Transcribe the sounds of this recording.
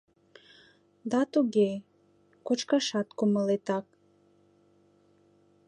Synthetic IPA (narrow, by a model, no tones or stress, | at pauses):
d̪ɑt̪uɣe | kot͡ʃkɑʃɑt̪kuməlet̪ɑk̚